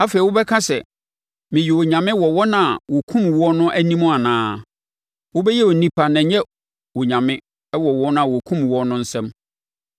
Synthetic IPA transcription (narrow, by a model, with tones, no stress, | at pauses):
a˦fe˨i˨wʊ˦bɛ˦kʰã˦sɛ̰˨ | mɪ̃˨ji˨wo˨ɲã˨mɪ̃˦wɔ˨wɔ˦nã˨wɔ˨kʰũ˦mwɔ˦nʊ̃˦ʔæ˦nĩ˦mʊ̃˦a˨nãː˨˦ | wʊ˦bɛ˦jɛ˦wo˨nĩ˨pʰa˨nã˨˦ɲɛ˦ | wo˨ɲã˨mɪ̃˦ | wɔ˨wɔ˦nã˨wɔ˨kʰũ˦mwɔ˦nʊ̃˦n̩˦sɛ̃˦m